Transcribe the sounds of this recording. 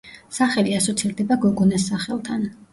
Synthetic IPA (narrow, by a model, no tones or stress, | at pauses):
saχɛliasɔt̪sʰild̪ɛbaɡɔɡɔnɛsːaχɛlˠt̪ʰan